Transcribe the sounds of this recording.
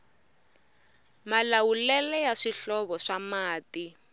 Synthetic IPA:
malawulɛlɛjaʂiɬɔβɔʂamaːti

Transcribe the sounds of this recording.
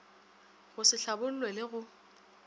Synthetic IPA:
ɣʊsɪɬabʊl̩lwelɪɣʊ

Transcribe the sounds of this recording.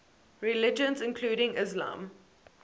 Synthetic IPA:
ɹɪlɪd͡ʒə̃nzɪ̃nkʰluːɾɪ̃ŋɪzlã̰ːm

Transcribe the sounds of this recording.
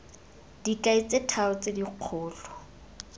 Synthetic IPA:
d̥ikʼait͡sʼetʰaʊt͡sediq͡χʰʊːlɔ

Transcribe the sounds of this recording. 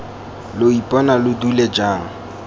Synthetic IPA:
loipʼɔnalʊduled͡ʒaːŋ̩

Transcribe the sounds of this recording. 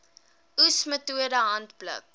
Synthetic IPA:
usmətuədəɦɐntblə̰k̚

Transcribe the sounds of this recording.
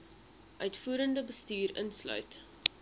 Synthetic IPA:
ʔœɥtfuːɾəndəbəstyːɾənslœ̰ɥt

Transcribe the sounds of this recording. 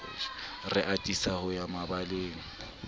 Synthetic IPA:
rɪʔatʼisahʊjamabaleːŋ̩

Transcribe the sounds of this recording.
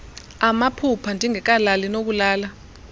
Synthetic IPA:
amapʰupʰandʱiŋɛk̬alalinok̬ulaːla

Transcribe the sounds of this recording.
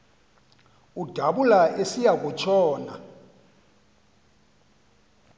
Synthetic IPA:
ud̥ʱaɓulaʔesijakʼut͡ʃʰɔːna̰

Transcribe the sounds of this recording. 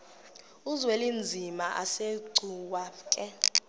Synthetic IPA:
uzwelind͡zʱimaʔa̰seǀuwaːkʼɛ

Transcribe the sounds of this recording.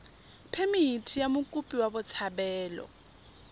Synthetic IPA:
pʰemiitʰijamʊkʼupʼiwabʊt͡sʰabɛːlɔ̰

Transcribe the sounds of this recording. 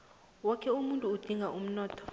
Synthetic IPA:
wɔkʰɛumuntʼuːd̥ʱiŋʱaʔum̩nɔːtʰɔ̥

